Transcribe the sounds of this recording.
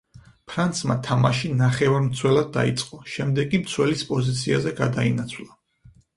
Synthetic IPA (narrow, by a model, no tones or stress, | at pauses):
pʰɾant̪sma̰t̪ʰamaʃinaχɛvaɾmt̪sʰwɛlad̪̚ːa̰it̪sʼqʼɔʃɛmd̪ɛɡkʼːimt̪sʰwɛlispʼɔzit̪sʰiazɛɡad̪ainat̪sʰwlˠa